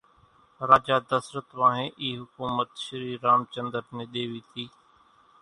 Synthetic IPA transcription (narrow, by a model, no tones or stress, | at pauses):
ɾaːd͡ʒaːd̪əsɾət̪ʋãːɦẽːʔiːɦʊkuːmət̪ʃəɾiːɾaːmt͡ʃə̃nd̪əɾnẽːɗ̪eːʋiːt̪ʰiː